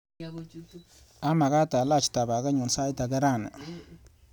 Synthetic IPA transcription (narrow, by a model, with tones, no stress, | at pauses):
a˦ma˨ɡa˦ta˨la˦˨t͡ʃta˨ba˨ɡa˦ɲu˨nsa˦i˦ta˨ɡa˦ɾa˦˨na̰˨